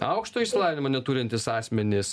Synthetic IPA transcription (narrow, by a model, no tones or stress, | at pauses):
ɐ̰ʊkʃt̪oːiʃʲsʲɪlˠɑːʋʲɪnʲɪmoːnʲɛt̪uːɾʲɪnʲt̪ʲɪsɑːsʲmʲɛnʲɪs